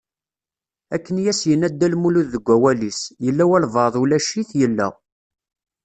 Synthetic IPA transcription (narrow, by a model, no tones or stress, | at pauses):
ækːənjæsjənæd̪ːælmuluððəɡʷːæwælisjəlːæwælvɑðˤulæʃiθjəlːæ̰